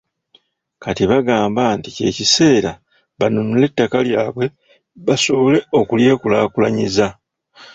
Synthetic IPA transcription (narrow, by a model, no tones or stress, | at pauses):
katiβaɡaːmbantice̞̰cise̞ːɾa | βanunule̞tːakaljaːβwe̞ | βaso̞βole̞o̞kulje̞ːkulaːkulaɲiza